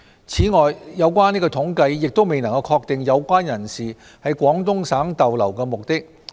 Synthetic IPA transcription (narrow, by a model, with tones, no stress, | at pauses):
t͡sʰiː˨˥ŋɔː˨jːɐ˨˧wkʷaː˥niː˥kɔ˧t̪ʰʊ˨˥ŋkɐ˧jːɪ˨k̚t̪o˥wme˨jnɐ˨˩ŋkɐ˧wkʰɔː˧k̚t̪ɪ˨ŋjɐ˨˧wkʷaː˥njɐ˨˩nsiː˨˩ | hɐ˨˧jkʷɔː˨˥ŋt̪ʊ˥ŋsaː˨˥ŋt̪ɐ˨wlɐ˨˩wkɛː˧mʊ˨k̚t̪ɪ˥k̚